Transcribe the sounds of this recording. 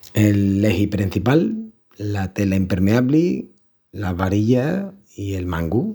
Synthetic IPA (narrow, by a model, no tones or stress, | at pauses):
elːeɦipɾin̟θipalː | at̪elaimpeɾmeaβli | laβaɾiʎa | ielmãŋɡu